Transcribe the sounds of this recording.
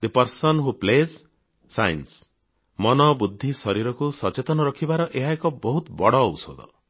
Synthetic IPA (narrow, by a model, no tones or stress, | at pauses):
d̪əpɔɾsɔnɦuplezː | ajns | mɔnɔbud̪ʱːisɔɾiɾɔkusɔt͡ʃet̪ɔnɔɾɔkʰibaɾɔʔeɦaekɔbɔɦut̪bɔɽɔːwso̰d̪ʱɔ̰